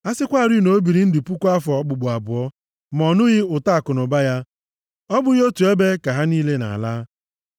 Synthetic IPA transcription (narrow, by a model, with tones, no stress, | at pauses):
a˦sɪ˦kʷa˦˨ɾi˦no˨˦bi˨ɾi˨n̩˦dɪ˨pu˦kʷa˦fɔ˨˦k͡pʊ˨ɡ͡bʊ˨a˨bʊ˨ɔ˦ | m˨ɔ˨nʊ˦ɣɪ˦ʊ˨ta˦a˨kʊ˨nʊ˨ba˦ja˦ | ɔ˦bʊ˦ɣo˦tu˨e˦be˦ka˨ɦa˦niː˦le˦na̰˨a̰˨laː˦